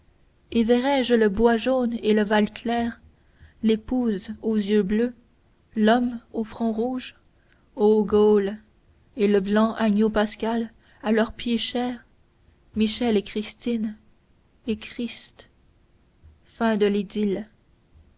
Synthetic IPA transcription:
evɛʁɛʒləbwaʒoneləvalkʰlɛːʁ | lepuzozjøblø | lɔmofχɔ̃ʁuːʒ | oɡol | eləblɑ̃ʔaɲopaskʲal | alœʁpjeʃɛːʁ | miʃɛlekχist̪in | ekχist̪ | fɛ̃d̪əled̪il

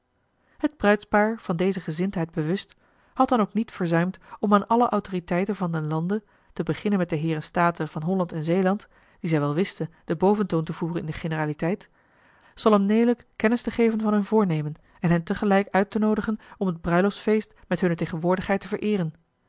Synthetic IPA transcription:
həd̚brœɥtspaːɹv̥ɑndejzəχəzɪntɦɛjd̚bəʋɵst | hɑt̚dɑnowknitfəɹzœɥmtɔmaːnʔɑləʔɑwtoːritɛjtənvɑndənlɑndə | təbəχɪnənmɛt̚dəɦɪːrənstaːtəv̥ɑnɦɔlɑntɛnzejlɑnt | d̥izɛjʋɛlˠʋɪstənd̥əbowvəntoːntəvuːrənɪndəχenəraːlitɛjt | z̥ɑlˠəmnejləkːɛnɪstəχejvənvɑnɦɵnvʊːɹnejmən | ɛnɦɛntəχəlɛjkœɥtənowdəχənɔmɦəd̚brœɥlɔfsfejst | mɛtɦɵnətejχənʋʊːɹdəχɦɛjtəvəɹʔɪːrən

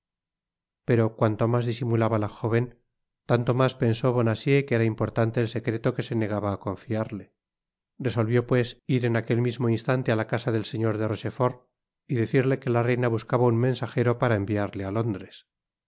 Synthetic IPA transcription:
pe̞ɾo̞kwant̪o̞mazðisimulaβalaxo̞β̞e̞n | t̪ant̪o̞maspe̞nso̞β̞o̞nasje̞keɾaimpo̞ɾt̪ant̪eːlse̞kɾe̞t̪o̞ke̞se̞ne̞ɣ̞aβaːko̞ɱfiaɾle̞ | re̞so̞lβjo̞pwe̞siɾe̞nakelmizmo̞inst̪ant̪ealakasaðe̞lse̞ɲo̞ɾðeroʃe̞fo̞ɾ | iðe̞θiɾle̞ke̞larejnaβuskaβaunmẽ̞nsaxe̞ɾo̞paɾaembiaɾlealo̞nd̪ɾes

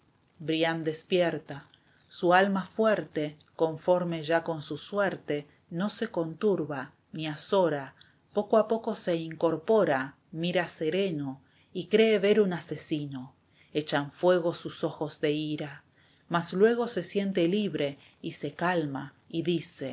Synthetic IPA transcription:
bɾjand̪e̞spjeɾt̪a | sualmafweɾt̪e̞ | ko̞ɱfo̞ɾme̞ʒako̞nsusweɾt̪e̞ | no̞se̞ko̞nt̪uɾβa | niasoɾa | po̞koapo̞ko̞se̞iŋko̞ɾpo̞ɾa | miɾase̞ɾe̞no | ikɾe̞ːβe̞ɾunase̞sino̞ | et͡ʃaɱfwe̞ɣ̞o̞suso̞xo̞zðe̞iɾa | maslwe̞ɣo̞se̞sje̞nt̪̬eliβɾe̞ | ise̞kalma | iðise̞

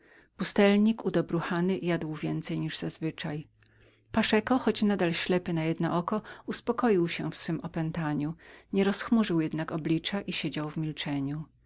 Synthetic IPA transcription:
pust̪ɛlɲikud̪ɔbɾuxanɘjad̪wvʲjɛnt̪sɛjɲiʐzazvɘt͡ʂaj | paʂɛkɔxɔt͡ɕnad̪alɕlɛpɘnajɛd̪nɔ̰ʔɔkɔuspɔkɔjiwɕɛ̰fsfɘmɔpɛnt̪aɲuɲɛɾɔsxmuʐɘwjɛd̪nakɔblʲit͡ʂaʔiɕed͡ʑawvmʲilt͡ʂɛɲu

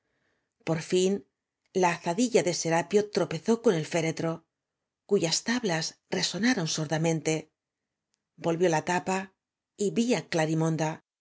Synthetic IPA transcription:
po̞ɾfin | laːθaðiʎaðe̞se̞ɾapjo̞t̪ɾo̞pe̞θo̞ko̞ne̞lfe̞ɾe̞t̪ɾo̞ | kuʝast̪aβlasre̞so̞naɾo̞nsoɾðamẽ̞nt̪e̞ | bo̞lβjo̞lat̪apa | iβiaklaɾimõ̞nd̪a

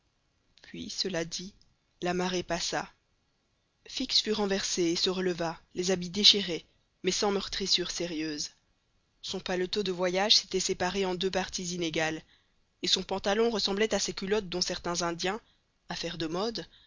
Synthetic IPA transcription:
pʰɥḭsəlad̪i | lamaʁepasa | fiksfyʁɑ̃vɛʁseːsəʁələvalezabid̪eʃiʁe | mɛsɑ̃mœʁt̪χisyːʁseʁjøːz | sɔ̃palɔt̪od̪əvwajaʒse̥t̪ɛsepaʁeɑ̃d̪øpaʁt̪izineɡal | esɔ̃pɑ̃t̪alɔ̃ʁəsɑ̃blɛt̪asekʲylɔt̪̚d̪ɔ̃sɛʁt̪ɛ̃zɛ̃d̪jɛ̃ | afɛʁd̪əmɔd̪

